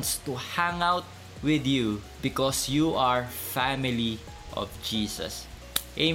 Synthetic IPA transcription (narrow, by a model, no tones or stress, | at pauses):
nst̪uhãŋawt̪̚ | wɪd̪ju | bɪkɔsjuʔaɹfæmɪli | ʔɔ̰vd͡ʒiːsɐ̰s | ʔe